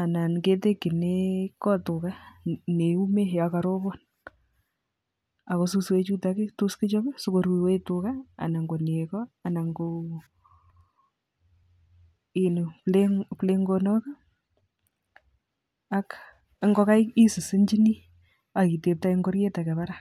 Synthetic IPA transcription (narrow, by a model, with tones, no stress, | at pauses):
a˨na˨nke˦te˦kɪ˨nekɔ˦tʊ˨ka˦ne˨u˦me˦˨jaka˨ɾo˦bɔ˦n | a˨ko˦su˦swe˦t͡ʃu˦take˦tu˦skɪ˦t͡ʃɔ˦be˦so˦ko˨ɾwi˨we˦tʊka˦a̰˨na˨ŋɡo˨ne˨kɔ˦a˨na˨ŋɡo | i˨nu˨pleŋple˦ŋɡonɔ˦ka˦ | ak | ŋɡɔ˦ka˦ji˦sɪ˨sɪ˦nd͡ʒi˦ni˦ | a˨ki˨te˨p̚ta˦iŋɡo˦ɾje˦ta˨kɛ˨βa˦ɾa